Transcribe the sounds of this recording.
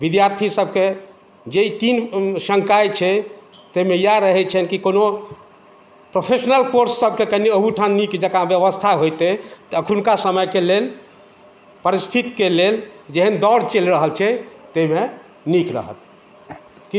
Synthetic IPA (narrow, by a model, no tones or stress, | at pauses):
bid̪jaɾt̪ʰisəb̚ke | d͡ʒeit̪insə̃ŋkajt͡ʃʰɛ | t̪emejaɾəɦɛt͡ʃʰɛnkikono | pɾopʰesnəlkoɾsːəb̚kekəniəɦuʈʰanːikd͡ʒəkabjəβəst̪ʰaɦojt̪et̪əkʰunkasəməjkelel | pəɾist̪ʰit̪keleld͡ʒeɦənd̪ɔɽt͡ʃelɾəɦəlt͡ʃʰɛt̪eme | nikɾə̰ɦə̰t̪̚ | ki